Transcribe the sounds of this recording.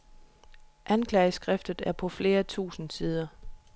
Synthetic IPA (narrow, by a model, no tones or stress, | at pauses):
ʔænkʰlɛːɪəsɡ̥ʁɛfd̥ð̩ˠæɐpʰɒ̽fle̝ːɐt͡sʰṵːsn̩siːð̞ˠɐ